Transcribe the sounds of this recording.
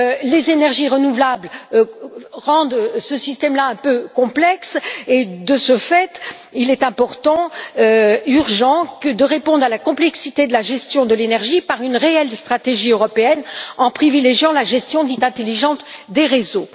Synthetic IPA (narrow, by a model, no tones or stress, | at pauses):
lezenɛʁʒiʁənuvlabl | ʁɑ̃d̪səsist̪ɛmlaɛ̃pøkɔ̃plɛksed̪əsəfɛt̪ | ilɛt̪ɛ̃pɔʁt̪ɑ̃øyʁʒɑ̃kəd̪əʁepɔ̃d̪ʁalakɔ̃plɛksit̪ed̪əlaʒɛst̪jɔ̃d̪əlenɛʁʒipaʁynʁeɛlst̪χat̪eʒiøʁɔpeɛnɑ̃pχivileʒjɑ̃laʒɛst̪jɔ̃d̪it̪ɛ̃t̪eliʒɑ̃t̪d̪eʁezo